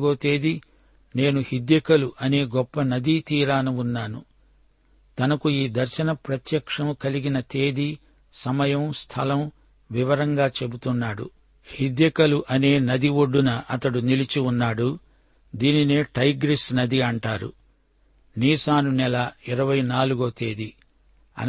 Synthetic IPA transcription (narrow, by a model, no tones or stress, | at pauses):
ɡoːt̪e̞ːd̪i | ne̞ːnuhid̪jɐkɐluʔɐne̞ːɡɔpːɐnɐd̪it̪iːɾaːnuunːaːnu | t̪ɐnɐkuiːd̪ɐɾʃɐnɐpɾɐt̪jɐkʂɐmkɐliɡinɐt̪e̞ːd̪i | sɐmɐjɐmst̪ʰɐlɐm | ʋiʋɐɾɐŋɡaːt͡ʃe̞but̪unːaːɽṵ | hid̪jɐkɐluʔɐne̞ːnɐd̪iʋoɖːunɐʔɐt̪ɐɽunilit͡ʃiunːaːɽu | d̪iːnineːʈɐjɡɾisnɐd̪iɐɳʈaːɾṵ | niːsaːnunɛlaiɾɐʋɐjnaːluɡoːt̪e̞ːd̪i | ɐ̰